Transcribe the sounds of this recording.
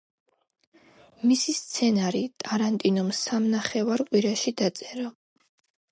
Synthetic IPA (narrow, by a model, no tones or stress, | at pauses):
misist̪sʰɛnaɾit̪ʼaɾant̪ʼinumsamnaχɛvaɾqʼwiɾaʃid̪at̪sʼɛɾɔ